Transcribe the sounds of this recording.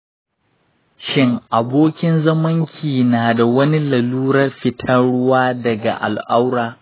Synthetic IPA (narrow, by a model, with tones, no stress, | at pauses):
ʃɪ˦ŋʔa˨boː˦kʲɪ˦nzɐ˦mɐ˦ŋkʲʰiː˨naː˨da˨wɐ˦ni˦lɐ˨luː˦ɾɐ˦rɸɪ˦tʰɐ˦nɽʊ˦waː˦dɐ˨ɡa̰˨ʔa̰˨lʔa˦wɾaː˨